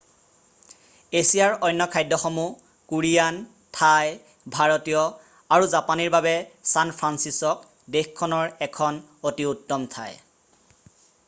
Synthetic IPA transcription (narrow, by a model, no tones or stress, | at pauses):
esijaɹɔjnːɔkʰajdɔxɔmu | kuɹijan | tʰaj | bʱaɹotijɔ | aɹuzapaniɹbabɛsanpʰɹansisɔk̚ | dexkʰːɔnɔɹɛkʰɔnotiutːɔmtʰa̰j